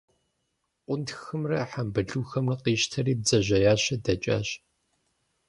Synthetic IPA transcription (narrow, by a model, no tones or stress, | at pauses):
ʔʷʊntxɨmrɐħambɨɮuːxɐmrɐqiːʃtʰɐɾiːbzɐʑɐjaːɕɐdɐt͡ʃʼa̰ːɕ